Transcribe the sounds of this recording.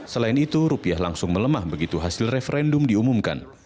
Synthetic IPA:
səlaɪnit̪uɾupiaɦlaŋsʊŋmələmahbəɡit̪uɦasɪlrefəɾɛndʊmdiumumka̰n

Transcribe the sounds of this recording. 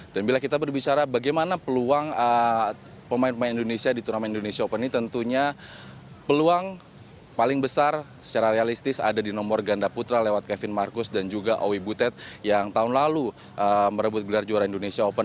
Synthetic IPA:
d̥anbilakit̪abərbit͡ʃaɾabaɡajmanapəluaŋə | pəmaɪnpəmaɪnindonesiadit̪unamaindonesiaopəninit̪ənt̪uɲa | pəluaŋ | palɪŋbəsar | sə̥t͡ʃaɾaɾealist̪ɪsa̰dadinɔmɔrɡandaput̪ɾalewat̪̚kɛfɪnmarkʊsdand͡ʒuɡaʔowibut̪ɛt̪̚jaŋt̪aʊnlalu | ʔəməɾəbʊt̪̚ɡəlard͡ʒuaɾaindonesiaopən

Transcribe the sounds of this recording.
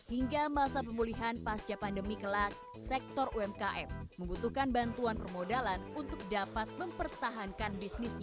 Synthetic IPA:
hiŋɡamasap̬əmuliɦanpast͡ʃapandəmikəlak̚ | sɛk̚t̪ɔruɛmkaʔɛfməmbut̪uhkanbant̪uanpərmodalanunt̪ʊk̚dapat̪̚məmpərt̪aɦankanbisnisɲa

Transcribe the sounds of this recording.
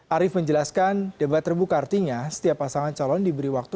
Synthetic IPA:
ʔaɾɪfməɲd͡ʒəlaskandebat̪rəbukart̪iɲasə̥t̪iapːasaŋant͡ʃalɔndibəɾiwak̚t̪u

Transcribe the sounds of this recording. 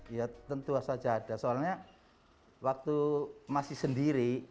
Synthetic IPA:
jat̪ənt̪uasḁd͡ʒaːd̥a̤soalɲa | wak̚t̪umasɪhsəndiɾi

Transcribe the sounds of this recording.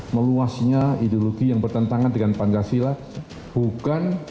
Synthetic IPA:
məluasɲaidoloɡijaŋbərt̪ənt̪aŋandəŋanpanɡasila | bukan

